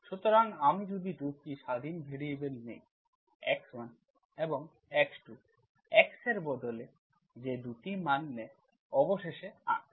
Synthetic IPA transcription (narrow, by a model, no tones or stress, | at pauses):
ʃut̪oɾaŋamid͡ʑud̪id̪ukiʃad̪ʱinbʱeɽiebenːḛj | ɛ̰kswan | eboŋ | ɛksʈu | ɛkseɾbɔd̪ole | d͡ʑed̪uʈimanːɛ | ɔboʃeʃea̰